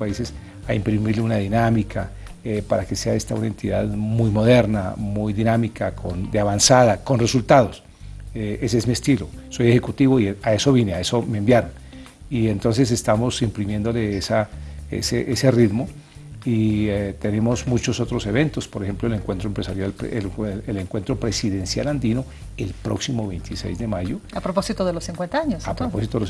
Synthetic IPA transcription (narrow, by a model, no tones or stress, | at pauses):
aise̞s | aimpɾimiɾleunaðinamikʰa | epaɾake̞se̞ae̞st̪aunae̞nt̪iða̰ðmujmo̞ð̞e̞ɾna̰mujðinamikakʰond̪eaβansaðako̞nre̞sult̪aðo̞s | ee̞seezmie̞st̪ilo̞so̞je̞xekut̪iβoiae̞so̞βjineae̞so̞meembjaɾon | ie̞nt̪ons̬e̞s̬est̪amo̞simpɾimjend̪ole̞esaḛseʔese̞rid̪mo | iet̪e̞ne̞mo̞zmut͡ʃoso̞t̪ɾo̞se̞βe̞nt̪o̞spo̞ɾexe̞mploeleŋkwe̞nt̪ɾoempɾesaɾjalpeeleŋkwe̞nt̪ɾo̞pɾesiðe̞nsja̰land̪ino̞ | elpɾo̰ksimoβejnt̪ʰisḛjzd̪e̞maʝoapɾoposit̪oðelosθiŋkwent̪aaɲosapɾoposit̪oeo